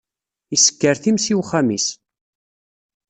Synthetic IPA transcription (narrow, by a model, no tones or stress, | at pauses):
isə̥kːəɾθimsiwχamis